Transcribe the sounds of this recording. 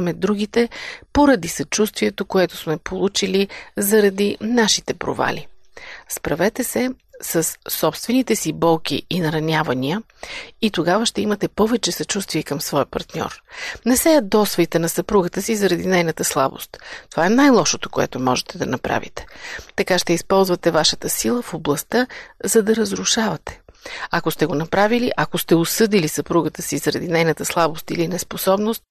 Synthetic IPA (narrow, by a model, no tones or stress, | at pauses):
mɛd̪ɾuɡit̪ɛpoɾɐd̪isɐt͡ʃust̪viɛt̪okoɛt̪o̥smɛpolˠut͡ʃilizɐɾɐd̪inaʃit̪ɛpɾo̰va̰lʲispɾɐvɛt̪ɛsɛsəsːɔpst̪vɛnit̪ɛsibɔlˠk̟ḭinɐɾɐnʲavɐniə | it̪oɡavəʃt̪ɛimɐt̪ɛpɔvɛt͡ʃɛsɐt͡ʃust̪vʲiɛkɐmsvɔjpɐɾt̪nʲɔ̰ɾnɛsɛɛd̪ɔsvɛjt̪ɛnɐsɐpɾuɡət̪əsizɐɾɐd̪inɛjnət̪əslˠabo̰st̪t̪ovaɛnajlˠɔʃot̪o̥koɛ̰t̪omɔʒɛt̪ɛd̪ɐnɐpɾa̰vḭt̪ɛ̥t̪ɐkaʃt̪ɛispɔlˠzvɐt̪ɛvaʃət̪əsilˠəfoblˠɐst̪əzɐd̪ɐɾəzɾʊʃavɐt̪ɛ̥ɐkost̪ɛɡonɐpɾaviliʔɐkost̪ɛʊsɤd̪ilisɐpɾuɡət̪əsizɐɾɐd̪inɛjnət̪əslˠabost̪ilinɛsposɔbnost̪̚